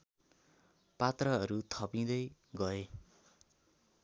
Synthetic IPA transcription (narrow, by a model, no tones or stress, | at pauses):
pat̪rʌɦʌɾut̪ʰʌpĩd̪ʌjɡʌe